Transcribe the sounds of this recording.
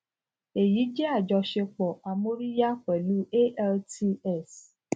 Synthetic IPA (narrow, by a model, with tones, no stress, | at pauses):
e˨ji˨˦d͡ʒe˦a˦˨d͡ʒɔ˧ʃe˧k͡pɔ˨a˧mo˦ɾi˦ja˦k͡pɛ˨lu˦e˦ʔɛ˦lti˧ɛ˦˨s